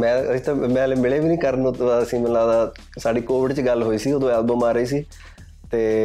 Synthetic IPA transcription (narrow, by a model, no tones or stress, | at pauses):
mɛ̃ːəsĩːt̪ãːmɛ̃ːleːmɪleːʋiːnĩːkəɾnõːəsĩːmət̪laːd̪aː | saːɖiːkoːʋɪɖt͡ʃɡəlɦoːiːsiːoːd̪õːɛːlbə̃ːmaːɾəiːs̬iː | t̪eː